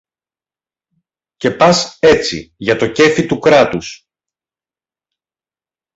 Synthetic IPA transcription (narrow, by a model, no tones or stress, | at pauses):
ce̞pɐse̞t͡sḭʝɐt̪o̞ce̞fit̪ukɾɐt̪us